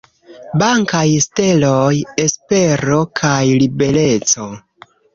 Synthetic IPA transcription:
baŋkajste̞loje̞spe̞ɾo̞kʰajlibe̞le̞t͡so̞

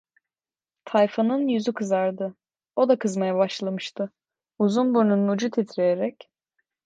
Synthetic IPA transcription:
t̪ʰajfanɯnjyzykʰɯzaɾd̪ɯ | o̞d̪akɯzmajabaʃlˠamɯʃt̪ʰɯ | uzunbuɾnunud͡ʒut̪ʰit̪ʰɾejeɾɛc

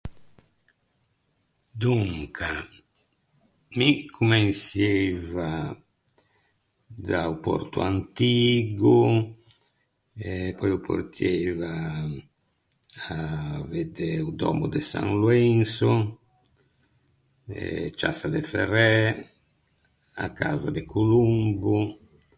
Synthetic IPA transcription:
d̪uŋkʰa | mikʰumɛnsjeva | d̪aupɔ̰ɾt̪uant̪iːɡu | ɛpːɔjɔpʰo̰ɾt̪ʰjeva | vɛd̪ɛud̪ɔ̰mud̪ɛsa̰nluɛnsɔ | ɛ̰t͡ʃasad̪ɛfɛrɛ | a̰kːaːzad̪ɛkʰulumbu

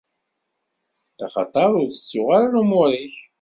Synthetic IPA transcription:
a̰χɑ̰t̪ˤɑɾˤʊɾθə̥t͡sːʊʁaɾlumʊɾˤiç

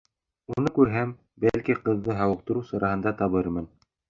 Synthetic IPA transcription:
unɤkʉɾɦæm | bælkiqɤ̆ðːɤɦɑwɤ̆q̚t̪ɤ̆ɾusɤ̆ɾɑɦɤ̆nd̪ɑt̪ɑβɤɾmɤn

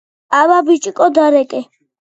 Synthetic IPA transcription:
alabit͡ʃʼikʼɔd̪aɾɛkʼɛ

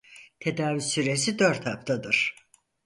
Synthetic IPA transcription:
t̪ʰe̞d̪aːvysyɾe̞sid̪ø̞ɾt̪hapt̪ʰad̪ɯɾ̥

